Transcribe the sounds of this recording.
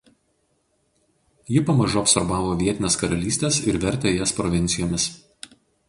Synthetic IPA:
jɪpɐmɐʒuɐpsɔɾbɑːʋoːʋʲiɛt̪ʲɪnʲeːskɐɾɐlʲiːsʲt̪ʲeːsɪɾʋʲɛɾʲt̪ʲejɛspɾɔʋʲɪnʲt̪sʲɪjoːmʲɪs

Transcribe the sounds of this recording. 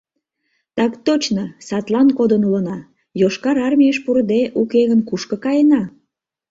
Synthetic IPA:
t̪ɑkt̪ot͡ɕnosɑt̪lɑnkod̪ənulənɑ | joʃkɑɾɑrmʲijəʃpuɾəd̪eʔukeɣənkuʃkəkɑjenɑ

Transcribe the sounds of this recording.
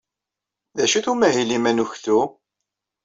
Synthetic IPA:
ðæʃiθumæɦilimænuçθu

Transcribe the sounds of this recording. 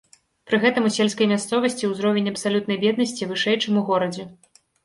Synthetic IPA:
pɾɨɣɛt̪ɐmusʲɛlʲskɐjmʲast̪sɔvɐsʲt͡sʲiwzɾɔvʲenʲɐpsalʲut̪̚nɐjbʲɛd̪nɐsʲt͡sʲivɨʂɛjt͡ʂɨmuɣɔɾɐd͡zʲɛ

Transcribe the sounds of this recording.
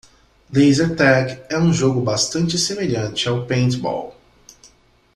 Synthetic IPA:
lezeɾt̪ɛɡɛũʒoɡʊbast̪ɐ̃nt͡ʃɪsemeʎɐ̃t͡ʃɪawpẽt̪bɔ̰w

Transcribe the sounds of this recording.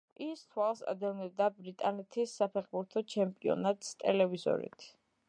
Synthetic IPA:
ist̪ʰwalˠsa̰d̪ɛvnɛb̚d̪abɾit̪ʼanɛt̪ʰisːapʰɛχbuɾt̪ʰɔt͡ʃʰɛmpʼiɔ̰nat̪ʼst̪ʼɛlɛvizɔ̰ɾḭt̪ʰ

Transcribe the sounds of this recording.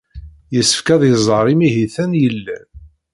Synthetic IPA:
jəsːə̥fkæðˤjəzˤəɾˤimiɦiθænjəlːæ

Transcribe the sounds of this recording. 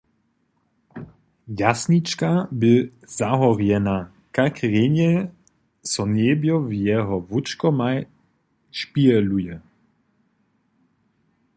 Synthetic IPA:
jasnit͡ʃkabɪ | zaɦɔʁjɛna | kakʁeɲɛ | sɔnɛbjɔvjɛɦɔvut͡ʃkɔmaj | ʃpiɛlujɛ

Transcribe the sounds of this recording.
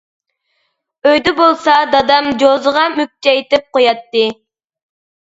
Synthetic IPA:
øjd̪ɛbolˠsɑd̪ɑd̪ɑmd͡ʒozəʁɑmyk̚t͡ʃ̪ɛjit̪ɪp̚qojɑt̪ːɨ

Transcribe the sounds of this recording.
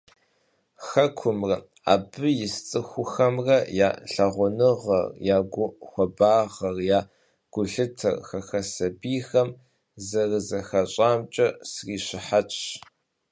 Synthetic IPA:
xɐkʷʰʊmrɐ | a̰ːbɨjɪst͡sʼɨxʷʊxɐmrɐja̰ːɬɐʁʷʊnɨʁɐ̰rjaːɡʷʊxʷɐbaːʁɐrjaː | ɡ̥ʷʊɬɨtʰɐ̰rxɐxɐsɐbiːxɐm | zɐrɨzɐxɐɕʼaːmt͡ʃʼɐsriːɕɪħat͡ʃʼ

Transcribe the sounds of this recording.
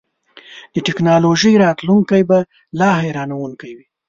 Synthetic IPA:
d̪əʈɪknɑloʒəjɾɑt̪luŋkajba | lɑhajɾɑnawuŋkajwi

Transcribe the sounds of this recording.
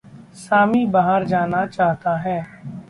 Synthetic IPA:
saːmibaːɦəɾd͡ʒaːnat͡ʃaːɦt̪aɦɛː

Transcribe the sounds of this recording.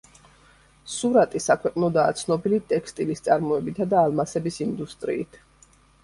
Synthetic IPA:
suɾat̪ʼisakʰwɛqʼnɔd̪aːt̪sʰnɔbilit̪ʼɛkʰst̪ʼilist̪sʼaɾmɔɛbit̪ʰad̪aːlˠmasɛbisind̪ust̪ʼɾḭːt̪ʰ

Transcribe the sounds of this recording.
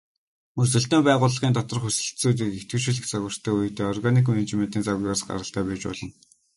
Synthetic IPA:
mɵsɵ̆ɬt̪eːmpæːʁʊːɮə̆ʁiːnt̪ɔt̪ɞ̆rχxɵsɘ̆ɬt̪t͡suːt̪̬iːket̪ɡɘ̆rʃĭɮɘ̆xt͡saɣʲə̆r̥t̪ʰœːuj̆t̪eːɔrɣanik̬menet͡ɕment̪iːnt͡sawʲaːsɢa̰ɾʁə̆ɬt̪æːpæːt͡ɕpɔ̰ɮɞ̆n

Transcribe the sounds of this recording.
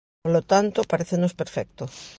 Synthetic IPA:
polot̪ant̪opaɾeθenospeɾfek̚t̪os

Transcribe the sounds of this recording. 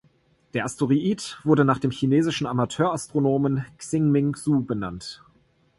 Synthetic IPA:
d̥eːɐʔastʰoʁiʔiːtv̥ʊɐdənaːχd̥eːmçineːzɪʃn̩amatʰøːɐastʁ̥onoːmənksɪŋmɪŋzuːbəna̰nt

